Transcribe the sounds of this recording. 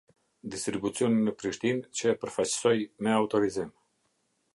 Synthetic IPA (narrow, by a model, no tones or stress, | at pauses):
d̪ist̪ɾibut͡siɔninəpɾiʃt̪int͡ɕəpəɾfajt͡ɕə̥sɔjmɛaut̪ɔɾizim